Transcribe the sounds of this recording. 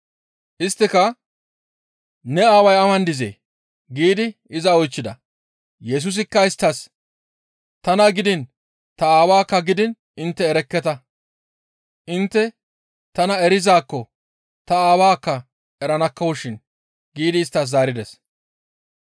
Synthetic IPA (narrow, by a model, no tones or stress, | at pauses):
ʔɪst̪ːɪkɐ | nɛaːwɐjɐmɐnd̪ɪzḛː | ɡiːd̪ɪ | ɪzɐɔjt͡ʃːɪd̪ɐ̰ | jɛs̬ʊs̬ɪkːɐɪst̪ːɐs | t̪ɐnɐɡɪd̪ɪn | t̪ɐaːwaːkːɐɡɪd̪ɪn | ɪnt̪ːɛːɾɛkːɛt̪ɐ | ʔɪnt̪ːɛ | t̪ɐnɐɛɾɪzaːkːɔ | t̪ɐaːwaːkːɐ | ɛɾɐnɐkːɐwʊʃɪn | ɡiːd̪ɪːst̪ːɐs̬zaːɾɪd̪ɛs